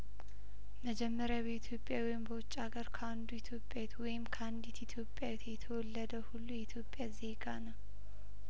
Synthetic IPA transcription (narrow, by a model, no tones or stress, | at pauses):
məd͡ʒɛmːəɾjabeit̪ʰjo̞pʼːjawɔjɪmbəwʊt͡ʃʼːaɡəɾkʰəand̪uit̪ʰjo̞pʼːjawet̪wɔjɪmkʰəand̪it̪ɪt̪ʰjo̞pʼjawit̪jɛt̪ʰəwɔlːəd̪əhulːujɛit̪ʰjo̞pʼːjaze̞ɡanəw